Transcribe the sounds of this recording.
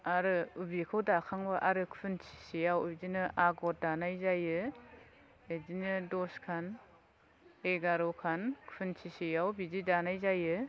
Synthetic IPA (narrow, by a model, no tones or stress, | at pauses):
aɾɯubikʰɯwdakʰaŋbaʔaɾɯkʰpʰɯnt͡ʃʰi̥sijawubid͡ʒinɯʔaɡɔt̚danajzajɯ | ed͡ʒinɯdɔskʰan | eɡaɾɔkʰankʰpʰɯnt͡ʃʰisijawbizidanajzajɯ